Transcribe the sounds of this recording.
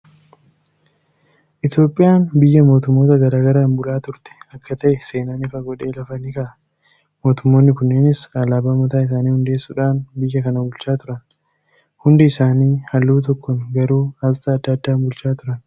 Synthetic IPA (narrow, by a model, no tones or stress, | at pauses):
ʔɪt̪jo̞ːpʼːɪjaːnbɪjːɐmo̞ːt̪ʊmːo̞ːt̪ɐɡɐɾaːɡɐɾaːnbʊlaːt̪ʊɾt̪ɛ̥ɐkːɐt̪ɐʔɛse̞ːnaːnɪfɐɡɔᶑe̞ːlɐfɐniːkɐʔɐ | mo̞ːt̪ʊmːo̞ːnːɪkʊnːeːnɪsɐlaːbamɔt̪aːɪs̬aːniːhʊnd̪e̞ːsːuːᶑaːnbɪjːɐkɐnɐbʊlt͡ʃaːt̪ʊɾɐn | hʊnd̪ɪɪsaːniːhɐlːuːt̪̬ɔkːɔnɡɐɾuːɐzt̪ʼɐɐd̪ːɐːd̪ːaːnbʊlt͡ʃaːt̪ʊɾɐn